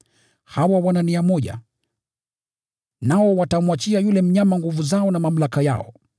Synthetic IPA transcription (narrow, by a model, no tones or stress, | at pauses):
hawawananiamɔʄa̰ | naɔwatamwat͡ʃiajulɛm̩ɲamaŋɡuvuzaɔnamam̩lakaja̰ɔ̰